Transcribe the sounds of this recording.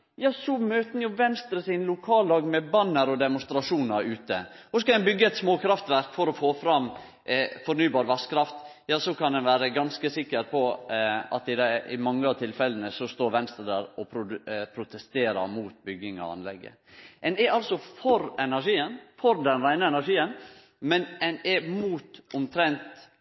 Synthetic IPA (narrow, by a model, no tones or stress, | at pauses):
jɑːsɔmøːt̪nəjʊʋɛnst̪ɾəsinəlʊkʰɑːlɑːɡmɛbɑnːəɾɔd̪ɛmʊnst̪ɾɑʂuːnɑɾʉːt̪əhɔskɑd̪ɛnbʏɡːəɛt̪smoːkʰɾɑft̪ʋæɾkfɔɾɔfoːfɾɑm | fɔɾnyːbɑːɾʋæskʰɾɑft̪jɑːsɔkɑnd̪ɛnʋæːɾəɡɑnskəsɪkːəɾpʰɔɑ̰t̪ɪd̪æɪ̰mɑŋːəɑt̪ʰɪlfɛlənəsɔst̪oːɾʋɛnst̪ɾəd̪æɾɔpʰɾʊpʰɾʊt̪ɛst̪eːɾɑ̰muːt̪bʏɡːɪŋɔ̰ɑ̰nlɛ̰ɡːə̰ | ɛnɛɾɑlsɔfɔɾɛnæʂiːənfɔɾd̪ɛnɾæɪnəɛnæɾʂiːən | mɛnɛnɛmuːt̪ʊmt̪ʰɾɛnt̪